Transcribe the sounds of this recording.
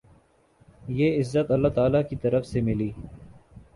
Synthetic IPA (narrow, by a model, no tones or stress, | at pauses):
jeːɪzːət̪ɐlːat̪aːlakit̪ɐɾəfsemɪliː